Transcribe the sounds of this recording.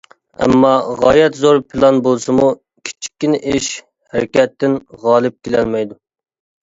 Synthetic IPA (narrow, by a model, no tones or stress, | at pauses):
ɛ̰mːɑʁɑjɛt̪zoɾpʰɨlˠɑnbolˠsɨmu | kʲʰi̥t͡ʃʰi̥kʲːinɪʔeʃ | hæɾɪkʲɛt̪ːɪnʁɑːlˠɨp̚kʲʰelɛlmɛjd̪u